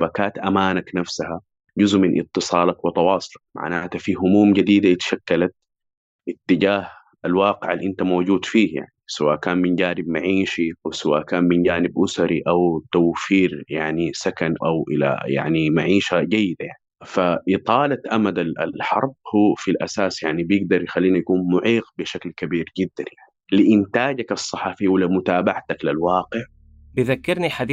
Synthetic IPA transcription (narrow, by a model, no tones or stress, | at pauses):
bakaːt̪ʔamaːnaknafsaha | d͡ʒʊzʔmɪnʔɪ̰t̪ːɨsˤɑːlakwɪt̪ɑwɑːsˤʊlɑk̚ma̰ʕnaːt̪afiɦʊmuːmd͡ʒad̪iːd̪aʔt̪ḁʃakːalat̪̚ | ʔɪt̪ːɪd͡ʒaːh | ʔalwɑːqɪʕalʔɪnt̪amoːd͡ʒuːd̪fiːhja̰ʕnisawaːʔkaːnmɪnd͡ʒaːnɪb̚maʕiːʃiʔawsawa̰ːʔkaːnmɪnd͡ʒaːnɪbʔʊsaɾiʔawt̪awfiːɾjaʕnisakanʔawʔɪ̰la̰ja̰ʕnimaʕiːʃaɟajːɪd̪ajaʕnifaʔɪt̪ˤɑːlat̪ʔamad̪aa̰lħɑɾˤb̚hufilʔasaːsjaʕnibjɪɡ̚d̪ɑɾˤjɪxalːiːnajakuːnmʊʕiːqbɪʃaklkabiːɾɟɪd̪ːanjaʕilɪʔɪnt̪aːɟakɑsˤːɑħɑfijwɪlːamʊt̪aːbaʕt̪aklalwɑːqɪʕ | bɪðakːɪɾniħad̪